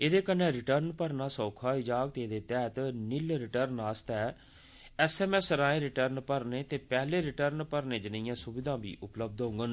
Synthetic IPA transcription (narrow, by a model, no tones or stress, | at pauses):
eːd̪eːkənɛ̃ːɾɪʈəɾnpəɾnaːsɔːkʰaːɪd͡ʒaːk̚t̪eːd̪eːt̪ɛːt̪nɪlɾɪʈəɾnaːst̪ɛː | ɛːsɛːmɛːsɾãːẽːɾɪʈəɾnpəɾnẽːt̪eːpɛːleːɾɪʈəɾnpəɾnẽːd͡ʒɪnːjãːsʊbɪd̪ãːbḭːʔʊpləb̚d̪ɦõːŋɡən